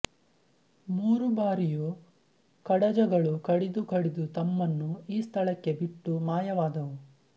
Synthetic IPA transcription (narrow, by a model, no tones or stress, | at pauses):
muːɾubaːɾiju | kɐɽɐd͡ʒɐɡɐɭukɐɽid̪ukɐɽid̪ut̪ɐmːɐnːuiːst̪ʰɐɭɐkːe̞biʈːumaːjɐʋaːd̪ɐʋu